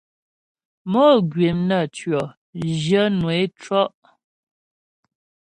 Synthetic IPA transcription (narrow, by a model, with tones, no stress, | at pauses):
mɔ˦˨ɡɥe˨mnə˦˨tɥɔ˨ | d͡ʒjə˦nwe˨˦t͡ʃwɔ˦ʔ